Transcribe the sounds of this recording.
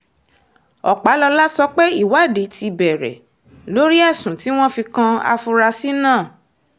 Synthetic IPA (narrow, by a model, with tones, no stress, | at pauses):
ɔ̰˨k͡pa˨˦lɔ˧la˦sɔ˧k͡pe˦i˦˨wa˨˦˨de˨˦ti˧bɛ˨ɾɛ̰˨ | lo˨˦ɾi˦ɛ˦˨sũ˨ti˨˦w̃ɔ̃˦fi˧kã˧a̰˧fu˧ɾa˧si˦nãː˦˨